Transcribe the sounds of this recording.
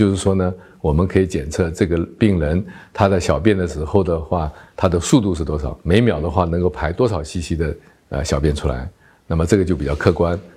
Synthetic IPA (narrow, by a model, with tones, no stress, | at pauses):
t͡ɕjo˥˧ʊʂɻ̩˥˩ʂwɔ˥nə˨ | wɔ˨˩mə˦nkʰɤ˧˥i˧˥t͡ɕjɛ˨˩nt͡sʰɤ˥˧ʈ͡ʂɤ˥˩ɡə˩pi˥˩ŋlə˧˥nt̪ʰa˥t͡sɪɕjɑ˨˩ʊp̬jɛ˥˩nd̪ə˩ʂɻ̩˧˥xo˥˩ʊd̪ə˩xwa˥˩t̪ʰa˥d̪ə˨ʂu˥˧t̪u˥˧ʂɻ̩˥˩t̪wɔ˥ʂɑ˨˩˦ʊme˧˥ɪmjɑ˨˩ʊd̪ə˦xwa˥˩nɤ˧˥ŋko˥˩ʊpʰa˧˥ɪt̪wɔ˥ʂɑ˨˩ʊɕi˥˩ɕi˥d̪ə˨ | ə̰˧ɕjɑ˨˩ʊpjɛ˥˩nʈ͡ʂʰu˥la̰˧˥ɪ | na˥˩mə˩ʈ͡ʂɤ˥˩ɡə˩t͡ɕo˥˩pi˨˩t͡ɕjɑ˥˧ʊkʰɤ˥˩kwa˥n